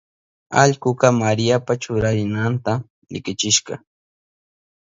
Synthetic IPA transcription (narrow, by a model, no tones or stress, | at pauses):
a̰ʎkʊqɑmaɾɪjapat͡ʃʊɾaɾɪnant̪a | ɾɪkɪt͡ʃɪʃɢɑ̰